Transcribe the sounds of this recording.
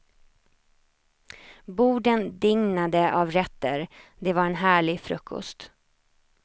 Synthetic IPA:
buːɖənd̪ɪŋnad̪əʔavɾɛt̪ːəɾd̪ɛvaɾɛnɦæːɭɪɡfɾɵkʰːɔ̰st̪

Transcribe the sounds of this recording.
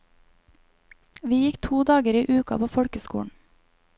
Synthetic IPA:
ʋiːjɪkt̪ʰuːd̪ɑːɡəɾiːʔʉːkɑ̰pʰoːfɔɽkəskṵːɳ̩

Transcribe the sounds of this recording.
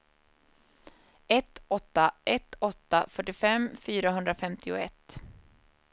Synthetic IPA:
ɛt̪ɔt̪ːaʔɛt̪ɔt̪ːafœʈːɪfɛmfyːɾaɦɵnd̪ɾafɛmt̪ʰɪʊɛt̪ː

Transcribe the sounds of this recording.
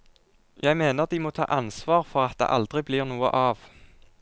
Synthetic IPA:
jʔæɪmeːnəʁd̪iːmoːt̪ʰɑ̰ːʔɑnsʋɑːʁfɔʁɑt̪̚d̪ḛːʔɑld̪ʁɪbliːʁnuːə̰ʔɑːʋ

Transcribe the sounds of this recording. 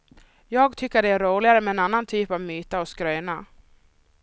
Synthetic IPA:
jɑːɡt̪ʰʏkːəɖɛæɾuːɭɪɡaɾəmɛɛnanːant̪ʰyːpavmyːt̪aɔskɾœːna

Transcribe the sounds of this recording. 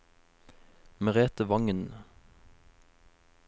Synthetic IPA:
məʁeːt̪əʋɑŋən

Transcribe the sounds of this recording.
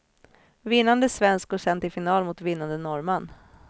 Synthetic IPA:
vɪnːand̪əsvɛnsk̚ɡʊʂɛnt̪ɪfɪnɑːlmʊt̪vɪnːand̪ənɔɾman

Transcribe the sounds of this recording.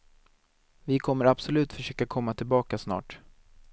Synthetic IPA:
vɪkʰɔmːəɾabsɔlʉ̟ːt̪fœʂøːkakʰɔmːat̪ʰɪlbɑːkasnɑ̰ːʈ

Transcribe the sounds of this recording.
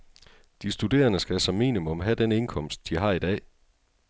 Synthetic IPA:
d̥isd̥ud̥e̝̰ːɐnəsɡ̥æsɒmḭːnimɔ̽mɦæd̥ene̝nkʰɒ̽m̰sd̥̚ːiɦɑ̈ːid̥ɛ̰ː

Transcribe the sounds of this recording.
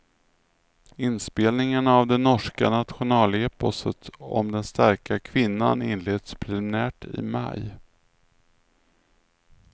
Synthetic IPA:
ɪnspeːlnɪŋanavd̪ɛnːɔʂkanat̪ɧʊnɑːleːpɔsət̪ɔ̰md̪ɛnst̪æɾkakʰvɪnːa̰nɪ̰nleːd̪̥spʰɾɛlɪmɪnæːʈɪ̰ma̰j

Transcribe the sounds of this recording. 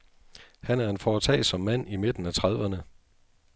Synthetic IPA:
hænæɐe̝nfɒːt͡sʰɛ̰ɪsɒ̽mːæn̰ime̝d̥n̩æt͡sʰʁað̞ˠʋɐnə

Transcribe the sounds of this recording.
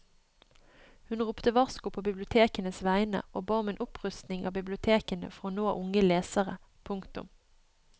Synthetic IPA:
hʉnʁuːpt̪əʋɑʁskʊpʰoːbɪblɪʊt̪ʰeːkənəsʋæɪnə̰ʔoːbɑːɔmeːnʔʊpʁʉst̪nɪŋʔɑ̰ːbɪblɪʊt̪ʰeːkənə̰fɔʁoːnoːʔʊŋəleːsəʁə | pʰʊŋkt̪ʊ̰m

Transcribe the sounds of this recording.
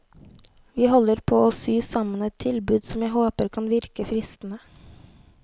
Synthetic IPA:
ʋiːhɔləɾpʰoːoːsyːsɑmənɛt̪ʰɪlbʉːd̪sɔmjæɪhoːpəɾkʰɑnʋɪɾkəfɾɪst̪n̩ə

